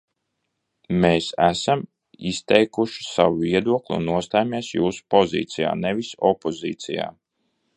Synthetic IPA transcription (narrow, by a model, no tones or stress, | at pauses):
meːsæsam | ist̪ɛjkuʃi̥sawuviɛd̪uɔklʲˠṵnːuɔst̪ajmʲiɛsjuːsu̥pɔzḭːt̪sʲija̰ːnɛvisɔpɔzḭːt̪sḭja̰ː